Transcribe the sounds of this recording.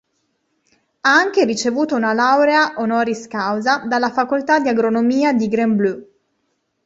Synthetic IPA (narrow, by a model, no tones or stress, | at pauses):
aaŋk̟eɾit͡ʃevuːt̪ounalawɾeaʔonɔːɾiskawzad̪alːafakolt̪ad̪iaɡɾonomiːad̪iɡɾemblu